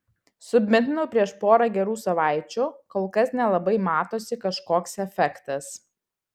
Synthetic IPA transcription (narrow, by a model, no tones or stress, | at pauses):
sʊbʲmʲɪt̪ʲnʊpʲɾʲiɛʃpoːɾɐɡʲɛɾuːsɐʋɑˑɪt͡ʃʲuːkoːlˠkɐsnʲɛlˠɐbɐɪmɑːt̪oːsʲɪkɐʃkoːksɛfʲɛkt̪ɐs